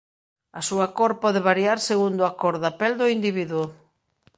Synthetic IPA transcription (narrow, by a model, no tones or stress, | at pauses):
ɐsuakɔɾpɔðeβaɾjaɾseɣund̪ʊakoɾðapɛld̪ʊind̪iβiðwʊ